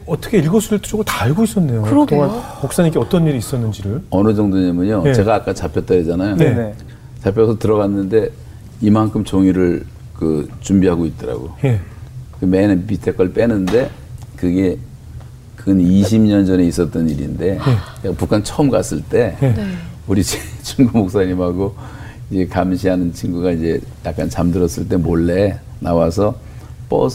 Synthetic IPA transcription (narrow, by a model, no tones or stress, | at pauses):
ʌt͈ʌkʰeiɭɡosʰuɾɯtʰu̥t͡ɕoɡɯɭtaɭɡois͈ʌnːe̞joɯɾtoamok̚s͈aɲikeʌt͈ʌniɾiːs͈ʌnːɯnd͡ʑiɾɯɭʌnɯd͡ʑʌŋdoɲemɯɲot͡ɕe̞ɡaːk͈at͡ɕapʰjʌt͈ʌɾid͡ʑanajo | t͡ɕapʰjʌsʰʌtɯɾʌɡanːɯnde̞ | imankʰɯmt͡ɕoŋiɾɯɭ | kɯt͡ɕumbiɦaɡoit̚t͈ʌɾa̰ɡo̰jekɯmenɯnpitʰe̞k͈ʰʌɭp͈e̞nɯnde̞ | kɯɡe̞ | kɯʌniɕ̬ʰimɲʌnd͡ʑʌne̞is͈ʌt͈ʌniɾinde̞pukʰant͡ɕʰʌɯmkas͈ɯɭt͈e̞uɾiet͡ɕʰiŋɡumok̚s͈aɲimhaɡo | id͡ʑe̞kamɕ̬ʰiɦanɯnt͡ɕʰiŋɡuɡaid͡ʑe̞ | jak͈ant͡ɕamdɯɾʌs͈ɯɭt̬͈e̞moɭːe̞ | nawasʰʌ | p͈ʌ̰s